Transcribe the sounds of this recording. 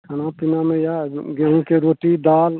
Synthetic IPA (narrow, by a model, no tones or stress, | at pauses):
kʰɐnapɪnamẽjaɡeɦũkeɾoːʈid̪aːl